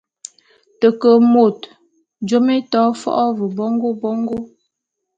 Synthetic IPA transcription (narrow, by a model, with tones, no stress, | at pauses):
tə˨kə˨mo˨t | d͡ʒo˦me˦tɔ˨˦fɔ̰˦ʔɔ˦və˨bɔ˦ŋɡo˦bɔ˦ŋɡo˦